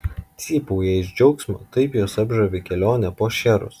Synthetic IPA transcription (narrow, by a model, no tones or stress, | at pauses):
t̪sʲiːpuːjɛɪʒʲd͡ʒʲɛʊksʲmʲo̰t̪ɐɪpjoːsɐbʒɐʋʲɪkʲɛlʲoːnʲɛpoːʃʲɛɾʊ̰s